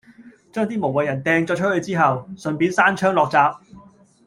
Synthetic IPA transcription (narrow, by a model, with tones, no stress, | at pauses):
t͡ʃœː˥ŋt̪iː˥mo˨˩wɐ˨jɐ˨˩nt̪ɛː˨˧ŋt͡sɔː˧t͡ʃ̚ʰhɵ˧ɥt͡siː˥ɦɐ˨wsɵ˨npiː˨˥nsaː˥nt͡ʃʰœː˥ŋlɔː˨˧k̚t͡saː˧p̚